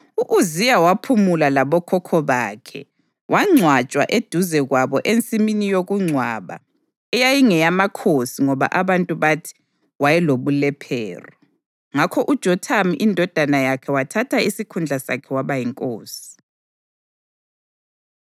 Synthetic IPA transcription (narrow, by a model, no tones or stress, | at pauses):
uʔuzijawapʰumulalaβɔkʰɔkʰɔβaːkʰɛ̰ | wʔaŋ͡ǀʱwat͡ʃʼwa̰ʔed̥ʱuzɛɣwaβɔʔent͡sʼiminijoɣuŋ͡ǀʱwa̰βa̰ | ɛjajiŋɛjamakʰosiŋɔβa̰ʔaβantʼuβatʰi̥ | wajɛloβulɛpʰɛ̰ːrɔ | ŋakʰɔʔud̥ʒ̥ʱɔtʰamiʔindʱɔd̥ʱanajakʰɛwatʰatʰaisikʰund͡ɮʱasa̰kʰɛwaβajiŋkʼoːsi̥